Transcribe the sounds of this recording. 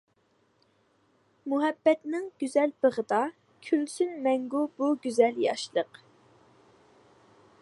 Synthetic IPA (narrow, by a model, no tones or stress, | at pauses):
muɦɛbːɛt̪nɪŋɡ̥ʲyzɛlb̥əʁəd̪ɑ | kʲʰylsynmɛŋɡubuɡʲyzɛljɑ̰ʃlˠəq